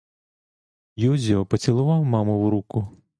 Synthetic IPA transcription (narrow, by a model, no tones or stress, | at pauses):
juzʲiɔpɔt͡sʲilˠʊʋɑwmɑmʊwɾukʊ